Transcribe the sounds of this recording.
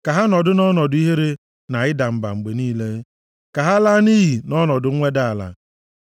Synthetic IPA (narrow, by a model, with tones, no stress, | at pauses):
ka˨ɦa˦nɔ˨dʊ˦nɔ˦nɔ˨dʊ˦i˦ɦe˦ɾe˦ | na˨ɪ˦da˨m̩˨ba̰˨ŋ͡m̩˨ɡ͡be˨niː˦le˦ | ka˨ɦa˦la˦ni˦ɦi˨nɔ˦nɔ˨dʊ˨˦ŋʷe˦da˦a˨la̰˨